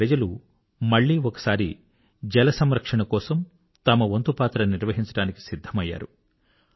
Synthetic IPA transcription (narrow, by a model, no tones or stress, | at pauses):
ɾɐd͡ʒɐlu | mɐɭːiːɔkɐ̥saːɾḭ | d͡ʒɛlɐsɐmɾɐkʂɐɳɐkɔːsɐm | t̪ɐmɐʋont̪upaːt̪ɾɐniɾʋɐɦiɲt͡ʃɐɽaːniki̥sid̪ʱːɐmɐjːa̰ːɾu